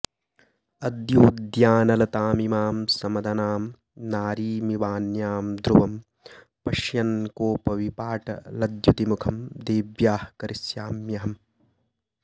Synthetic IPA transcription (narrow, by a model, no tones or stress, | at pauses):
ɐd̪juːd̪jaːnɐlɐt̪aːmimaːmsɐmɐd̪ʱɐnaːm | naːɾiːmiʋaːnjaːmd̪ɾuʋɐm | pɐʃjɐnkoːpɐʋipaːʈʰɐ̰lɐd̪jut̪imukʰɐmd̪eːʋjaːhkɐɾɪsjaːmjɐɦɐm